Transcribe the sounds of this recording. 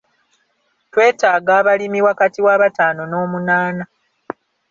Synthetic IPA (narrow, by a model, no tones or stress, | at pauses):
twe̞ːtaːɡaːβalimiwakatiwaːβataːno̞no̞ːmunaːna